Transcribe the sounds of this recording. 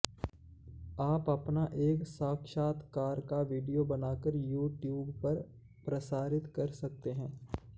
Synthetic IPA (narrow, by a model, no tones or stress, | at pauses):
aːpɐpnaʔeːksaːkʃaːt̪kaːɾkaʋiːɖijobɐnaːkəɾjuːʈjuːbpɐɾ | pɾɐsaːɾɪt̪kɐɾsɐk̚t̪eɦɛ̃ː